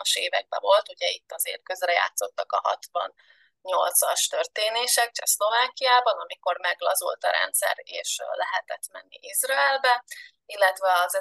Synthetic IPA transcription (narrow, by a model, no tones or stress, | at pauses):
ɒʃeːvɛɡ̚bɛvo̞lt̪uɟɛit̪ːɒzḛːrkø̞zrɛja̰ːt̪so̞t̪ːɒkɒɦɒ̰t̪ʋɒ̰n | ɲo̞lt̪sɒʃt̪ø̞rt̪eːneːʃɛk̚t͡ʃɛslo̞vaːkijaːbɒnɒmiko̞rmɛɡlɒzṵlt̪ɒɾɛ̰nt̪sɛ̰reːʃlɛɦɛt̪ɛt̪mɛnːḭʔizrɒɛlbɛ | ilːɛt̪vɛɒzɛ